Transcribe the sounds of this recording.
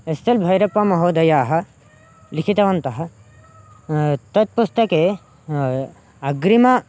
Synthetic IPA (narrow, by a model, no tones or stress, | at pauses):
est̪ɐlbʱɐjɾɐpːɐmɐɦoːd̪ɐjaːɦɐ̆ | likʰit̪ɐʋɐnt̪ɐɦɐ̆ | t̪ɐt̪̚pust̪ɐkeː | ɐɡɾimɐ